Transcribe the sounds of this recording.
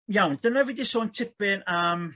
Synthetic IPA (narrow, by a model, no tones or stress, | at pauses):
jawndənəvɪdisoːntʰɪpɪnəːm